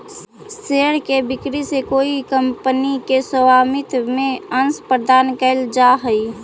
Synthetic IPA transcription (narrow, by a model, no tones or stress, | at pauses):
seːɽkebɪkɾisekoːikəmpənikesəwaːmɪt̪mẽənspɾəd̪aːnkəɪld͡ʒaɦəi